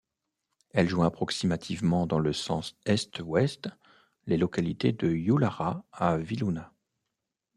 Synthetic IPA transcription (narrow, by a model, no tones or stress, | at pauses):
ɛlʒwɛ̃apχɔksimat̪ʰivmɑ̃d̪ɑ̃ləsɑ̰̃sɛst̪wɛst̪ | lelɔkalit̪ed̪əjulaʁaaviluna